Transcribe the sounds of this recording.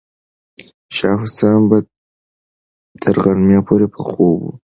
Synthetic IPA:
ʃɑɦʊsɑnba | t̪ʰəɾɣaɾmjɑpʰoɾepʰəxobṵ

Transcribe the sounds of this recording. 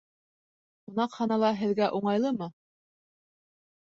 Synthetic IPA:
unɑqhɑnɑlˠɑɦɘ̆ðɡæʔuɴɑjlˠɤmɤ

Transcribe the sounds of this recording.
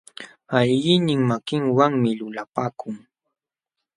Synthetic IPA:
ajɢɪnɪŋmakɪŋwaŋmɪlʊlapaːkʊŋ

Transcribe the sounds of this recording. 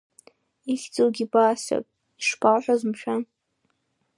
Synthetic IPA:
iɬʲt͡sʼowɡʲibaːsa̰kʼ | iʂpʰalħʷᶣazɨmʃᶣan

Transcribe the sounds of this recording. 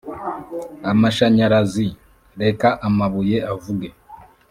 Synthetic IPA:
amaʃaɲaɾazi | ɾe̞kaʔamaβuje̞avuɡe̞

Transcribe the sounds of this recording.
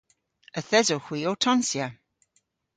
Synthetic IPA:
əθɛzoxw̥iːotʰɔnsja

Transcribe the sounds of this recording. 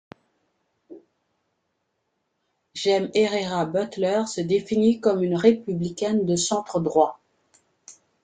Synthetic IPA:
ʒɛmeʁeʁabœt̪lœʁsəd̪efinikɔmynʁepyblikʲɛnd̪əsɑ̃t̪χəd̪ʁwa

